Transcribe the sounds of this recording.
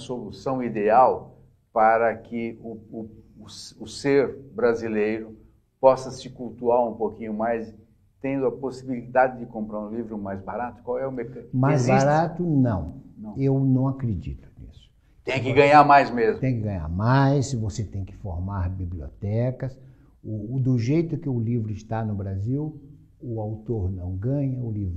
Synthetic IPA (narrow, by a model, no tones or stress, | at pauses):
solusɐ̃w̃id̪eaw | paɾɐkɪʊʊ | ʊseɾbɾazilejɾʊ | pɔsɐsɪkuwt̪uaɾũpokĩɲʊmajs | t̪ẽnd̪ʊɐposibilid̪ad͡ʒɪd͡ʒɪkõmpɾaɾũlivɾʊmajzbaɾat̪ʊ̥kwawɛʊmeɾkmajzbazɾat̪ʊnɐ̃w̃nɐ̃w̃ewnɐ̃w̃akɾed͡ʒḭt̪ʊ̥nḭsʊ̥ | t̪ẽj̃kɪɡɐ̃ɲaɾmajzmezmt̪ẽj̃kɪɡɐ̃ɲa̰ɾmajssɪvoset̪ẽj̃kɪ̥fo̰ɾmaɾbiblio̰t̪ɛkɐs | ʊd̪ʊʒejt̪ʊkɪʊlivɾʊɪst̪anʊbɾaziw | ʊawt̪oɾnɐ̃w̃ɡɐ̃ɲɐʊlivɾ